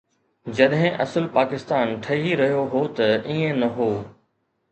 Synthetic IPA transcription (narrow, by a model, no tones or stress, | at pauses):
d͡ʑɐɗɦɪ̃ʔɐsəlpaːkɪst̪aːnʈʰɐɦiɾɐɦijoɦoːt̪ɐiːẽnɐɦoː